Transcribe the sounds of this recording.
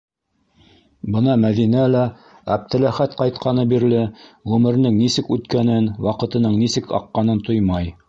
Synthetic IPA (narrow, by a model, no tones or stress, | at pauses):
bɤnɑmæðinælæ | æp̚t̪ʰɘ̆læχæt̪qɑjt̪̚qʰɑnɤbiɾlɘʁʉmɘ̆ɾ̆nɘŋnisɘkʉt̪kænɘnwɑqɤ̆t̪ɤ̆nɤɴnisɘkɑ̰qːɑnɤnt̪ojmɑj